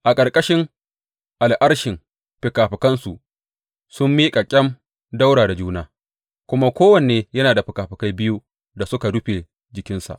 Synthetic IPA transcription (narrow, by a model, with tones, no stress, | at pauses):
ʔa˨kʼɐ˨rkʼɐ˦ʃɪ˦ŋ | ʔa˨lʔɐ˦ɽʃɪ˨ŋ | ɸɪ˨kaː˨ɸɪ˨kɐ˦nsu˨ʔ | sʊ˦mːiː˦kʼa˨kʲʼɛ˦m | da˦wɽaː˨da˨d͡ʒuː˦naː˦ | kʷʊ˦ma˦kʷoː˦wɐ˨n˨eː˨jɐ˦naː˨da˨ɸɪ˨kaː˨ɸɪ˨ka˦jbɪ˦ju˦ | da˨sʊ˦ka˨du˦ɸe˨ | d͡ʒɪ˨kʲɪ˦nsa̰˨ʔ